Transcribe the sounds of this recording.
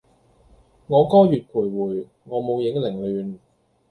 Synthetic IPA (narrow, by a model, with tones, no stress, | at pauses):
ŋɔː˨˧kɔː˥jyː˨t̚kʰuː˨˩jwuː˨˩j | ŋɔː˨˧mo˨˧wjɪ˨˥ŋlɪ˨˩ŋlyː˨˧n